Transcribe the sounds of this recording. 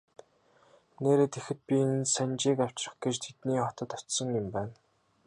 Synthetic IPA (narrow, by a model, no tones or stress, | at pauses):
neːɾeːt̪exɘ̆t̪̚pʲinsænt͡ɕiːkaw̥t͡ɕrə̆χɡet͡ɕt̪ʰet̪niːχɔt̪ə̆t̪ɔt̪sɞ̆ŋjʊ̆mpæːn